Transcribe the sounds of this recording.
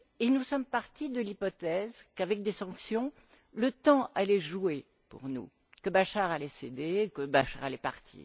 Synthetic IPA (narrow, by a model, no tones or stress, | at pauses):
enusɔmpaʁt̪id̪əlipɔt̪ɛzkavɛk̚d̪esɑ̃ksjɔ̃ | lət̪ɑ̃alɛʒue | pṵʁnṵ | kəbaʃaʁalɛsed̪ekəbaʃa̰ʁalɛpa̰ʁt̪ʰḭː